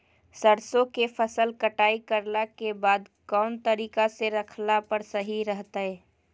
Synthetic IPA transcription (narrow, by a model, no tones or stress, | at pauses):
səɾsõkefʰəsəlkəʈaːikəɾlakebaːd̪ | kɔːnt̪əɾiːkaseɾəkʰlapəɾsəɦiɾəɦt̪aɦɛː